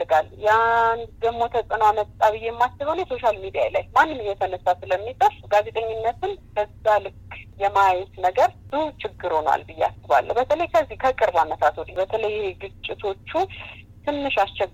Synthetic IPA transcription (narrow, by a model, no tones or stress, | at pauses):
ɨɡaljand̪əmo̞t̪ʰəsʼənowamət̪t̪ʼaβɨjɛmːat͡ʃːɪβonjɛso̞ʃalmid̪ija̰jlajmanːɨmːjːɛt̪ʰənəsːasɨləmːit̪ʼəfɡaze̞t̪ʼəɲːɪnːət̪ʰɨnbəzːalɨkʰʼːjɛmajɛt̪nəɡəɾbɨz̥uht͡ʃɪɡːɨɾhonwa̰lbɨjːa̰sɨβa̰lːə̰wbət̪ʰələjkʰəzːikʰəkʼɨɾbamət̪ʰat̪wɔd̪ibət̪ʰələjeɡɨt͡ʃʼːɪt̪ʰo̞t͡ʃːu | t̪ʰɨnːɨʃast͡ʃɛɡ